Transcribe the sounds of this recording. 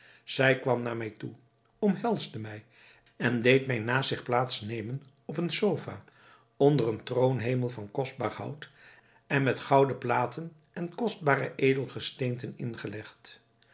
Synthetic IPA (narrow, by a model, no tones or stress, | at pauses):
z̥ɛjkʋɑmnaːɹmɛjtu | ɔmɦɛlˠzdəmɛj | ɛndejtmɛjnaːsɪχplaːtsnejmən | ɔpənsowfa̰ː | ɔndərəntrownɦejməlˠvɑnkɔzd̚baːɹhʌ̰wt | ɛnmɛtχɑwdəplaːtən | ʔɛnkɔzd̚baːrə̰ʔejdəlˠχəstejntənɪnχəlɛχt